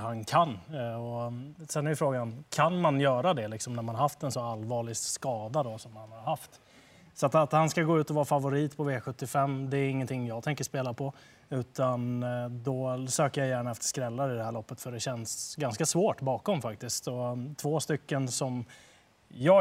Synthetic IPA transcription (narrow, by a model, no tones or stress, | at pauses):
hankʰanɔsɛnːæɾjʏfɾoːɡankʰanmanjœːɾad̪ɛlɪksɔmnæɾmanhaɾhaft̪ɛnsɔalvɑːɭɪɡskɑːd̪ad̪ɔsɔmhanhaɾhaft̪ | sat̪at̪hanskaɡoːʉ̟ːt̪ɔvɑːɾafavʊɾiːt̪pʰɔveːɧɵt̪ːɪfɛmːd̪ɛːɾɪŋːənt̪ʰɪŋːjɑːɡt̪ʰɛŋkəʂpeːlapʰɔ | ʉ̟ːt̪ʰand̪ɔsøːkəɾjajæːɳaɛft̪ə̥skɾɛlːaɾɪd̪ɛhæɾɭɔpːət̪fœɖɛɕɛnsɡanskasvoːʈbɑːkɔmfak̚t̪ɪskt̪ɔt̪ʰvoːst̪ʏkːənsɔm | jɑː